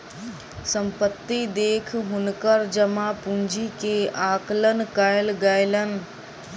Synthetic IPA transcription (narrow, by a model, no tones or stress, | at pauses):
səmpət̪ːid̪eːkʰɦʊnkəɾd͡ʒəmapũnd͡ʒikeaːklənkaɪlɡəɪlən